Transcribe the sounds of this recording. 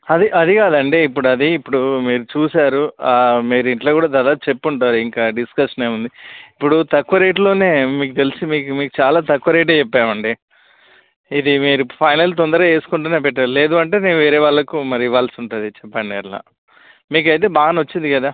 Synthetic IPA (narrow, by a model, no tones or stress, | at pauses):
ɐd̪iʔɐd̪ikaːd̪ɐɳɖeip̬ːuɽuɐd̪iːpːuɽumiːɾut͡ʃuːsaːɾumiːɾuiɳʈloːkuːɽaːd̪aːd̪aːp̪ɐt͡ʃe̞pːuɳʈaːɾuiŋkaːɖiskɐʂɐneːund̪iipːuɽut̪ɐkːʋɐɾeːʈ̬lo̞ːne̞ːmiːkut̪elisimiːkumiːkut͡ʃaːlaːt̪ɐkːuʋɐɾeʈ̬eːt͡ʃɛpːaːmɐɳɖi | id̪imiːɾupʰɐjnɐlt̪̬ond̪ɐɾɐːe̞ːsu̥kuɳʈuːneːpɛʈ̬ːaːɾle̞ːd̪uɐɳʈe̞ːne̞ːnuʋeːɾɛːʋaːɭːɐkumɐɾiiʋaːlɐsiuɳʈund̪it͡ʃɛpːɐnneːɾla̰ː | miːk̬ɐjt̪̬e̞ːbaːɡɐnʋɐt͡ʃːind̪ikɐd̪aː